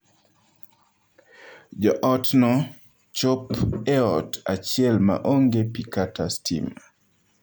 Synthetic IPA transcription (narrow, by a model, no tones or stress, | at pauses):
d͡ʒɔʔɔtnɔ | t͡ʃopɛɔtat͡ʃɪɛlma̰ʔoŋɡepikatastʰḭm